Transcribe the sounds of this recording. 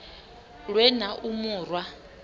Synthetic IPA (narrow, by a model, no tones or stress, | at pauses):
ɺwɛnaʔumuːrwa